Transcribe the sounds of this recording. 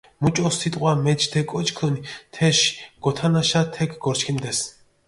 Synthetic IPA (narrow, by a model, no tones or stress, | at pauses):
mut͡ʃʼɔst̪ʰit̪ʼqʼwamɛt͡ʃt̪ʰɛkʼɔt͡ʃʼkʰɔnit̪ʰɛʃɡ̥ɔt̪ʰanaʃat̪ʰɛkʰɡɔɾt͡ʃkʰimd̪ɛs